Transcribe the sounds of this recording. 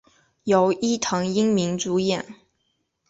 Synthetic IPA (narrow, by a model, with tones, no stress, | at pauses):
jo˨˩ʊi˥˩t̪ʰɤ˧˥ŋi˥ŋmi˧˥ŋt͡su˧˥jɛ˥˩n